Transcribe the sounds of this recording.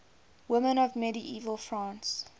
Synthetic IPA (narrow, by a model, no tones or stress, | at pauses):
wɪmə̃nɔvmɛɾiʔiːvəlˠfɹãːns